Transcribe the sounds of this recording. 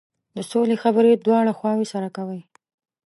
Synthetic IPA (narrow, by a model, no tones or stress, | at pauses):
d̪əsolexabəɾed̪wɑɽaxwɑwesaɾakawəj